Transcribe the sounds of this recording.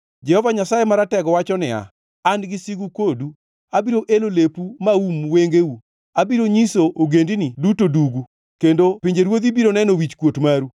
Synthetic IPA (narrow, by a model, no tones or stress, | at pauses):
d͡ʒɛhɔvaɲasajemaɾatɛɡɔwat͡ʃɔnɪa̰ | anɡɪsiɡukodu | abiɾoʔelolepumaumweŋɡewu | abiɾoɲisoʔoɡendinidutoduɡu | kendopɪɲd͡ʒeɾwod̪ibiɾonɛnowit͡ʃkwotmaɾu